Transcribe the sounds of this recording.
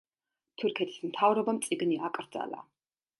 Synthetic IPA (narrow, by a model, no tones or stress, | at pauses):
t̪ʰurkʰiɛt̪ʰi̥smt̪ʰavɾɔbɐmt͡sʼiɡɨniʔakʼərd͡za̰la̰ː